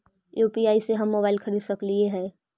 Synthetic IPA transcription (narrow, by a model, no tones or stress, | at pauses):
juːpiaːiseɦɐmːoːbaːɪlkʰəɾiːd̪səklieɦɛː